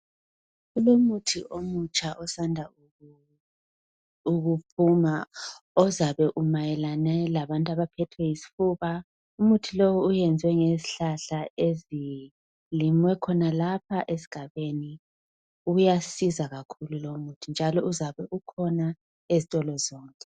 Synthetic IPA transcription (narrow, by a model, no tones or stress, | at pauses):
ulomutʰiʔomut͡ʃʼʰaʔɔsandʱa | uɣupʰumaɔzaβɛʔumajɛlanɛlaβantʼuaβapʰɛtʰwɛjisi̥fuβa | umutʰilowuːjɛnd͡zʱwɛŋeziɬaɬaezi | limwɛkʰɔnalapʰaʔesi̥ɡ̥ʱaβeni | ujasizaɣakʰululomutʰind͡ʒʱalɔuzaβɛʔukʰɔna | ezitʼɔlɔzɔːŋkʼɛ